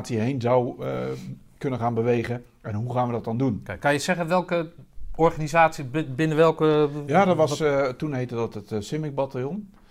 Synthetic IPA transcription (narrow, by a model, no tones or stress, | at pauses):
tsiɦenzaw | kɵnəχaːnbəʋejχə | ɛnɦuχaːnʋədɔt̚ɔndunkkɑnjəsɛχənʋɛlˠkəɔɹχanizaːtsibɪnəʋɛlˠkəjaːdɔtʋɑstunɦejtədɔtətsɪmɪk̚batalˠjɔn